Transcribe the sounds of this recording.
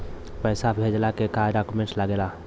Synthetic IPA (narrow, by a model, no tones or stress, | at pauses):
pɛɪsabʱed͡ʒlakekaɖakumẽʈlaɡela